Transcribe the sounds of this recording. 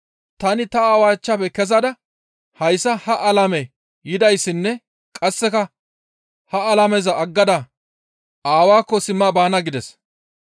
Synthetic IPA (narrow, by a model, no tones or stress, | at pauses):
t̪ɐnɪt̪ɐaːwaːt͡ʃːapɛkɛzɐd̪ɐ | hɐjsːɐhɐʔɐlɐmɛ | jɪd̪ɐjsːɪnːɛ | kʼɐsːɛkɐ | hɐɐlɐmɛzɐʔːɡːɐd̪ɐ | aːwaːkːɔsɪmːaːbaːnɐɡɪd̪ɛs